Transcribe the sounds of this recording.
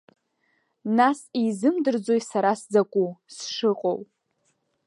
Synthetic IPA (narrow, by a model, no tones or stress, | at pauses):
nasizɨmdɨrd͡zojsaɾasd͡zakʷʼusʂɨqʼo̰w